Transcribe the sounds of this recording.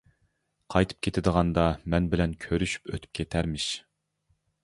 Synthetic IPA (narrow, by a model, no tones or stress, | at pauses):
qʰɑjt̪ʰɨ̥p̚kʲʰet̪ʰɪd̪əʁɑnd̪ɑmɛnbɪlɛnkʲʰøɾyʃy̥pøt̪ʰy̥p̚kʲʰet̪ʰæɾmɪʃ